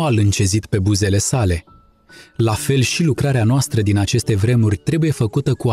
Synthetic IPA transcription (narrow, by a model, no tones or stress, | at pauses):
alɨnt͡ʃe̞zit̪pe̞buze̞le̞sale̞ | lafe̞lʃilukɾaɾeanoast̪ɾəd̪inat͡ʃe̞st̪e̞vɾe̞murʲt̪ɾe̞buje̞fəkut̪əkua